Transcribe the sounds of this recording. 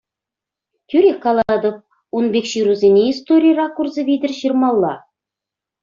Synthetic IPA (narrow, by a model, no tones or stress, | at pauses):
tʲyɾʲexʲkːɑlˠɑɑd̪ɤ̆p̚ | unbʲekʲɕiɾuzʲenʲeist̪oɾʲijrɑkːurzɤ̆βʲid̪ʲɘ̆rʲɕirmɑlˠːɑ̰